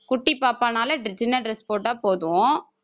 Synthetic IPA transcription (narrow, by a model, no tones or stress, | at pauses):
kʊʈːipːaːpːaːnaːlɐɖɪd͡ʒɪnɐlɾɛspoːʈːaːpoːðʊ̃